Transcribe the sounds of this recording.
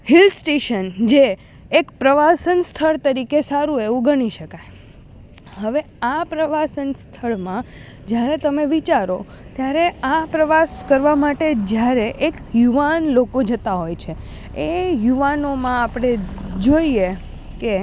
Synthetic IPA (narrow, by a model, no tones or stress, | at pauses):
hilsʈeʃənd͡ʒeː | kpɾəʋasənst̪ʰəɭt̪əɾikesaɾũeʋũɡəɽ̃iʃəkaj | ɦəʋe | apɾəʋasənst̪ʰəɭmã | d͡ʒjaɾet̪əmeʋit͡ʃaɾo | t̪jaɾeapɾəʋaskəɾʋamaʈed͡ʒjaɾeʔekjuʋanlokod͡ʒət̪aɦojt͡ʃʰe | ejuʋanomãapɽ̃ed͡ʒoie | ke